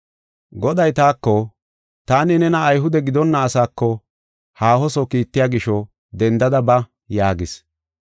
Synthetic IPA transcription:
ɡɔd̪ɐjt̪aːkːɔ | t̪aːnɪnɛnɐːjɦʊd̪ɛɡɪd̪ɔnːɐːsaːkːɔ | haːhɔsɔkiːt̪ːɪjaːɡɪʃɔ | d̪ɛnd̪ɐd̪ɐbɐ | jaːɡɪs

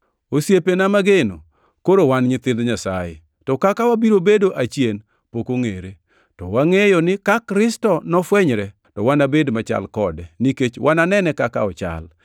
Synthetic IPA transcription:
osjepenamaɡeno | koɾowanɲɪt̪ɪnd̪ɲasajḛ | tɔkakawabiɾobedoʔat͡ʃjen | pokoŋeɾe | tɔwaŋejɔnɪkakɾɪstɔnɔfwɛɲɾɛ | tɔwanabedmat͡ʃa̰lkɔdɛniket͡ʃwʔananɛnɛkaka̰ɔt͡ʃa̰l

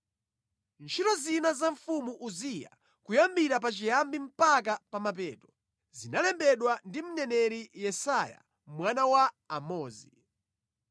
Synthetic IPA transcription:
nt͡ʃʰitɔzinazaɱfumuʔuzija̰ | kujambiɾap̬at͡ʃijambim̩pak̬apamap̬ɛːtɔ | zinalɛmbɛɗwandim̩nɛnɛɾijɛsaja̰ | mwanawaː | mɔːzi

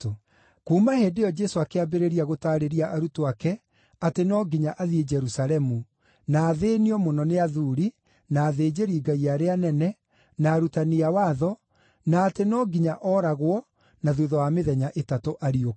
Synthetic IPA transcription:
kuːmaheːdejɔd͡ʒɛsoakeabeɾeɾiaɣotaːɾeɾiaʔaɾutoakɛ | atenɔːɡiɲaʔaðied͡ʒɛɾusalɛmu | naːðeniɔmonɔneaðuɾi | naːðeːd͡ʒeɾiːɡaiaɾeanɛnɛ | naːɾutaniawaːðɔ | naːtenɔɡiɲaʔɔːɾaɣwɔ | naðuðɔwameðɛɲaʔetatoʔaɾio

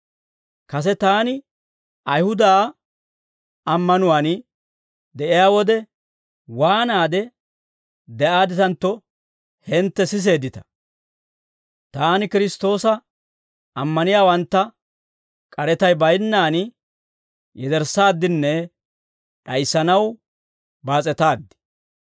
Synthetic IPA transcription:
kɐs̬ɛt̪aːnɪ | ɐjhʊd̪aː | ɐmːɐnʊwan | d̪ɛʔɪjaːwɔd̪ɛ | waːnaːd̪ɛ | d̪ɛʔaːd̪ɪt̪ɐnt̪ːɔ | hɛnt̪ːɛsɪs̬e̞ːd̪ɪt̪ɐ̥ | t̪aːnkɪɾɪst̪o̞ːsɐ | ɐmːɐnɪjaːwɐnt̪ːɐ | kʼɐɾɛt̪ɐjbɐjnːaːn | jɛd̪ɛɾsaːd̪ːɪnːɛ | ᶑɐjsːɐnɐw | baːt͡sʼɛt̪aːd̪ːɪ̥

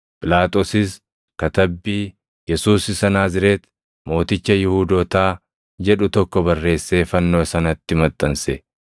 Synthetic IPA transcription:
pʼɪlaːt̪ʼoːsɪs | kɐt̪ɐbːiː | jɛsuːsɪsɐnaːzɪɾeːt̪ | mo̞ːt̪ɪt͡ʃːɐjɪhuːd̪oːt̪aː | d͡ʒɛᶑʊt̪ɔkːɔbɐrːe̞ːsːe̞ːfɐnːo̞ːsɐnɐt̪ːɪmɐt̪ʼːɐnsɛ

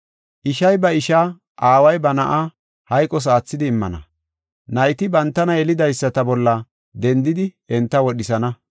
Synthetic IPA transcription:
ʔɪʃɐjbɐɪʃaː | ʔaːwɐjbɐnɐʔa | hɐjkʼːɔs̬aːt͡sːɪd̪ɪːmːɐ̰nɐ̰ | nɐjt̪ɪbɐnt̪ːɐnɐɛlɪd̪ɐjsːɐt̪ɐbɔlːɐ | d̪ɛnd̪ɪd̪ɪ | ɛnt̪ːɐwɔɗɪsɐnɐ

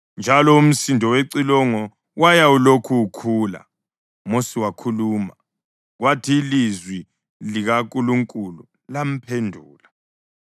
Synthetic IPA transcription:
nd͡ʒʱalɔum̩sindʱɔweǀilɔŋɔ | wajaulokʰuːkʰuːla̰ | mosiwakʰuluːma̰ | ɣwatʰiːlizwi | liɣakʼuluŋkʼulu | lam̩pʰendʱuːla

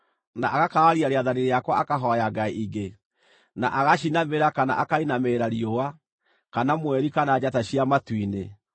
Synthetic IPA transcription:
naʔaɣakaːɾiaɾeaðaɾeɾeakwaʔakaɦɔjaɡaiʔiɡe | naʔaɣaɕinameɾakana̰ʔakainameɾaɾiowa | kanamwɛɾikanad͡ʑataɕiamatwine

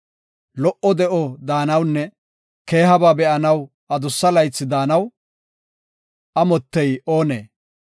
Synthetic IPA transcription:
lɔʔɔd̪ɛʔɔd̪aːnɐwnːɛ | ke̞ːɦɐbaːbɛʔɐnɐw | ɐd̪ʊsːɐlɐjt͡sːɪd̪aːnɐw | ʔɐmɔt̪ːɛjo̞ːnḛː

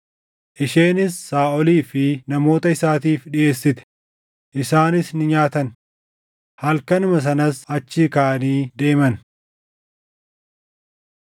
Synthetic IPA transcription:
ʔɪʃe̞ːnɪsːaːʔɔliːfɪnɐmo̞ːt̪ɐɪsaːt̪iːfᶑɪʔe̞ːsːɪt̪ɛ̥ | ʔɪsaːnɪsnɪɲaːt̪ɐn | hɐlkɐnʊmɐs̬ɐnɐsɐt͡ʃːɪkaːniːd̪e̞ːmɐn

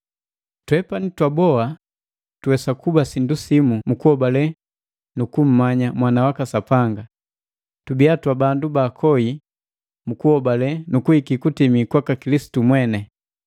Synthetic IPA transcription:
twɛpanitwabɔa | tuwɛsakubasindusimumukuhɔbalɛ | nukum̩maɲamwanawakasapaŋɡa | tubiatwabandubakʰɔi | mukuhɔbalɛnukuhikikutimikwakakilisi̥tumwɛnɛ

